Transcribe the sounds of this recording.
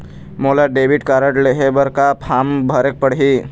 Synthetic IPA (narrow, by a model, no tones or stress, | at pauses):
molaɖebiʈkaɾəʈleɦebəɾkapʰambʱəɾek̚pəɽɦi